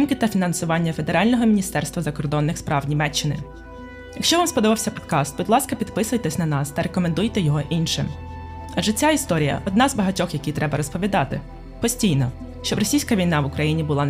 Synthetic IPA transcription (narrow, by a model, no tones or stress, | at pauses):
ɪmkɪt̪ɐfʲinɐnsʊʋɑnʲːɐfe̞d̪eɾɑlʲnɔɦɔmʲinʲist̪ɛrst̪ʋɐzɐkɔrd̪ɔnːɪxspɾɑwnʲimɛt͡ʃːɪnɪ̰ | jɐkʃt͡ʃɔʋɑmspɔd̪ɔʋɑwsʲɐpɔd̪kɑst̪̚bʊd̪lˠɑskɐpʲid̪pɪsʊjt̪ɛsʲnɐnɑst̪ɐɾekɔmend̪ujt̪ɛjɔɦɔʔinʃɪm | ɐʒɛt͡sʲaist̪ɔɾʲijɐ̰ʔɔd̪nɑzbɐɦɐtʲɔxjɐkʲit̪ɾɛbɐɾɔspɔʋʲid̪ɑt̪ɪ | pɔsʲtʲijnɔ | ʃt͡ʃɔbɾɔsʲijsʲkɐʋʲijnɑʋʊkɾɐjinʲibʊlˠɑn